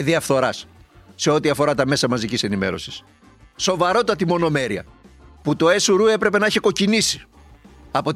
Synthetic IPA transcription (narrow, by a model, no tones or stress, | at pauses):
ðiɐfθo̞ɾɐsːe̞o̞t̪iɐfo̞ɾɐt̪ɐme̞sɐmɐzicise̞nime̞ɾo̞̰si̥s | so̞vɐɾo̞t̪t̪ɐt̪imo̞no̞me̞ɾiɐ̰put̪o̞e̞suɾue̞pɾe̞pe̞nɐiçeko̞cinisi̥ | ɐpo̞